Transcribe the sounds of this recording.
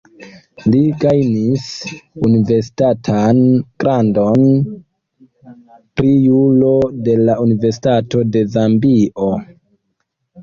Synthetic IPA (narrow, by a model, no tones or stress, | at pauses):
liɡajnisunive̞ɾsi̥tatʰanɡ̥ɾʔando̞n | pɾijulo̞de̞launive̞ɾs̬i̥tato̞de̞zambiʔo̞